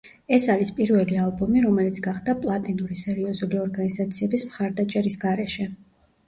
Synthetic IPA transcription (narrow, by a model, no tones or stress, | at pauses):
ɛsaɾispʼiɾvɛlialˠbɔmiɾɔmɛlit̪sʰɡaχd̪apʼlˠat̪ʼinuɾisɛɾiɔzuliɔɾɡanizat̪sʰiɛbismχaɾd̪at͡ʃʼɛɾisɡaɾɛʃɛ